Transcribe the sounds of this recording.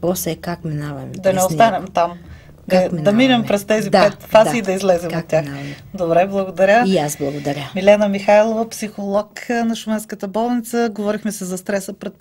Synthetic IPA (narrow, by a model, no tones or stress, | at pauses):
posɛkakminavɐmd̪ɐnɛost̪anɛmt̪am | d̪amind̪ɐminɛmpɾɛst̪ɛzid̪apɛt̪fad̪ziːd̪ɐizlɛzɛmot̪̚ːʲaxnavɐm | d̪obɾɛblˠɐɡod̪ɐɾʲəiasblˠɐɡod̪ɐɾʲjəmilɛnəmixajlˠovɐpsixolˠɔknɐʃʊmɛnskət̪əbɔlˠnit̪səɡovɔɾixmɛsɛzɐst̪ɾɛsəpɾɛt̪̚